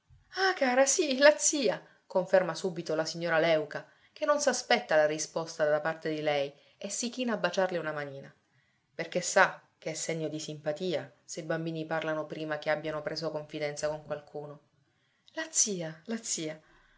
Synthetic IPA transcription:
akaːɾasilat̪siːa | koɱfermasuːbit̪olasiɲːoːɾalɛwka | k̟enːonsaspɛt̪ːalarispost̪ad̪apart̪ed̪ilɛj | esːik̟iːnaːbːat͡ʃarleunamaniːna | perkesːakeɛsːeɲːod̪isimpat̪iːasebambiːniparlanopɾiːmakeabːjanopɾeːzokoɱfid̪ɛnt̪sakoŋkwalkʰuːno | lat̪siːalat̪siːa

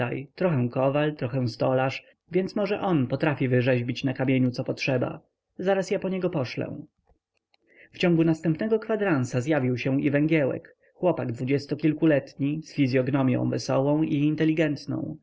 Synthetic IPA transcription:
a̰jt̪ɾɔxɛw̃kɔvalt̪ɾɔxɛw̃st̪ɔlaʂ | vʲjɛnt̪smɔʐɛʔɔnpɔt̪ɾafʲivɘʐɛʑbʲit͡ɕnakamʲjeɲut̪sɔpɔtʂɛba̰ | zaɾasjapɔɲɛɡɔpɔʂlɛ̰̃ | ft͡ɕɔ̃ŋɡunast̪ɛmpnɛɡɔkfad̪ɾansazʲjavʲiwɕɛ̃ivɛŋɡʲjɛwɛ̰k | xwɔpaɡd̪vud͡ʑɛst̪ɔkʲilkulɛt̪ɲisfʲizʲjɔɡnɔmʲjɔ̰̃w̃vɛsɔwɔ̃w̃iːnt̪ɛlʲiɡɛnt̪nɔ̰̃w̃

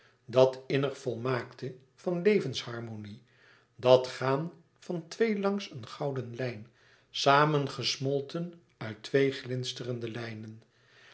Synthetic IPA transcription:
dɑtɪnəχfɔlˠmaːktə | v̥ɑnlejvənshɑɹmoni | dɑtχaːn | v̥ɑntʋejlɑŋsənχɑwdənlɛjn | saːmənχəsmɔlˠtʰən | œɥtʋejχlɪnstərəndəlɛjnən

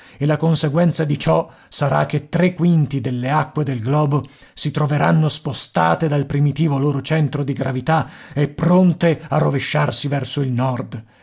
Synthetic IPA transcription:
elakonseɡwɛnt̪sad̪it͡ʃɔ | saɾa̰k̟ːet̪ːɾekːwint̪id̪elːeakːwed̪elɡlɔːbo | sit̪ɾoveɾanːospost̪a̰ːt̪ed̪alpɾimit̪iːvoloːɾot͡ʃɛnt̪ɾod̪iɡɾavit̪aɛpːɾont̪earːoveʃːarsivɛrsoilnɔrd̪

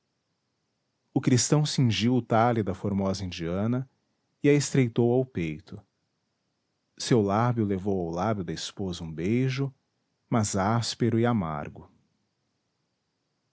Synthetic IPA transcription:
ʊkɾist̪ɐ̃w̃sĩʒiwʊt̪alid̪ɐfoɾmɔzɐĩnd͡ʒiɐ̃nɐ | ɪɐest̪ɾejt̪owawpejt̪ʰʊ | sewlabjʊlevowawlabjʊd̪ɐɪspozɐũbejʒʊ | mɐzaspeɾʊɪama̰ɾɡʊ

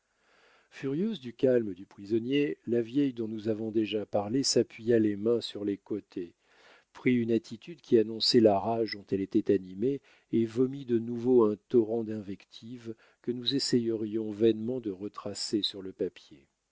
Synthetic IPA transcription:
fyʁjøzd̪ykalməd̪ypχizɔnjelavjɛjd̪ɔ̃nuzavɔ̃d̪eʒapaʁlesapɥijalemɛ̃syʁlekot̪ʰe | pχiynat̪ʰit̪yd̪kʲianɔ̃sɛlaʁaʒd̪ɔ̃t̪ɛlet̪ɛt̪anime | evɔmid̪ənuvoɛ̃t̪ɔʁɑ̃d̪ɛ̃vɛkt̪ʰiv | kənuzesɛjəʁjɔ̃vɛnmɑ̃d̪əʁət̪χasesyʁləpapje

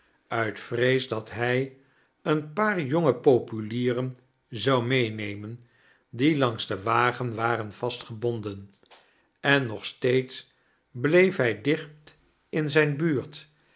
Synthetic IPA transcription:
œɥtfrejzdɑtɦɛj | ənpaːɹjoŋəpowpyliːrən | zɑwmejnejmən | dilɑŋzdəʋaːχənʋaːrənv̥ɑstχəbɔndən | ʔɛnːɔχstejts | blejfɦɛjdɪχp̚t | ɪnzɛjnbyːɹt

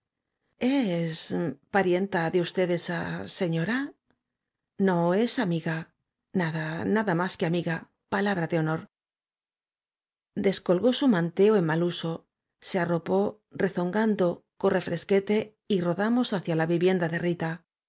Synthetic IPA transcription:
e̞spaɾje̞nt̪aðeust̪eðesase̞ɲo̞ɾa | no̞e̞samiɣa | naðanaðamaskeamiɣa | palaβɾaðeo̞no̞ɾ | d̪e̞sko̞lɣo̞sumãnt̪e̞oe̞nmaluso̞ | se̞aro̞po̞ | re̞θo̞ŋɡand̪o̞ko̞re̞fɾʔe̞ske̞t̪e̞ | iro̞ðamo̞saθjalaβiβje̞nd̪aðe̞rit̪a

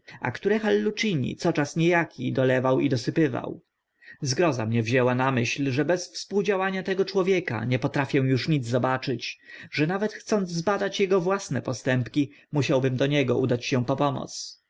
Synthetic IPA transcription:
a̰kt̪uɾɛxalːut͡ʂiɲḭt̪sɔt͡ʂasɲejakʲʰid̪ɔlɛvawid̪ɔsɘpɘva̰w | zɡɾɔzamɲɛvʑɛwanamɘɕlʐɛbɛsfspuwd͡ʑawaɲat̪ɛɡɔt͡ʂwɔvʲjɛka̰ɲɛpɔt̪ɾafʲjɛw̃juʂɲid̪zzɔbat͡ʂɘt͡ɕʐɛnavɛt̪xt̪sɔnzzbad̪at͡ɕjɛɡɔvwasnɛpɔst̪ɛmpkʲi | muɕawbɘmd̪ɔɲɛɡɔʔud̪at͡ɕɕɛ̃pɔpɔmɔ̰t̪s

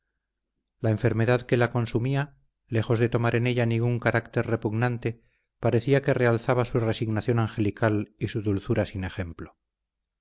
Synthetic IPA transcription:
lae̞ɱfe̞ɾme̞ðaðke̞lako̞nsumia | le̞xo̞zðe̞t̪o̞maɾʔe̞ne̞ʎanĩŋɡuŋkaɾakt̪e̞ɾre̞puɣnant̪e | paɾe̞θiake̞re̞alθaβasure̞siɣnaθjo̞naŋxe̞likalisuðulθuɾasine̞xe̞mplo̞

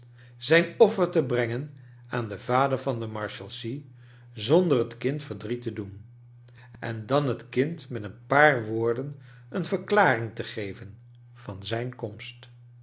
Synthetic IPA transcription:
z̥ɛjnɔfəɹtəbrɛŋən | aːndəv̥aːdəɹvɑndəmɑɹʃɛlˠsi | zɔndərətkɪntfəɹdritədun | ʔɛ̰ndɑnɦətkɪntmɛtənpaːɹʋʊːɹdən | ənv̥əɹklaːrɪŋtəχejvən | v̥ɑnzɛjnkɔmst

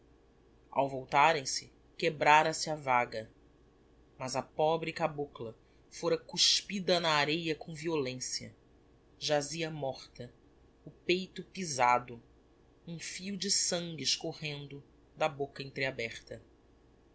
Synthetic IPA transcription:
a̰wvowt̪aɾẽj̃sɪ | kebɾaɾɐsɪɐvaɡɐ | mɐzɐpɔbɾɪkabuklɐ | foɾɐkuʃpid̪ɐnɐːɾejɐkõviolẽsiɐ̰ | ʒaziɐmɔχt̪ɐ | ʊpejt̪ʊpizad̪ʊ | ũfiud͡ʒɪsɐ̃ŋɡɪʃkohẽnd̪ʊ | d̪ɐbokɐẽnt̪ɾɪabɛχt̪ɐ

